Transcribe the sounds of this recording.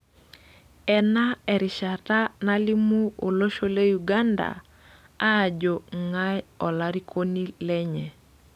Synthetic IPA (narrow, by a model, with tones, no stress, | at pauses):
ɛ˨na˦ɛ˨ɾi˨ʃa˨ta˦na˦li˦mu˦o˨lo˦ʃo˦le˦ju˨ɡa˦nda̰˨ | aː˦˨d͡ʒo˨ŋa˦jɔ˨la˦ɾi˦kʰo˦ni˦lɛ˦ɲɛ˨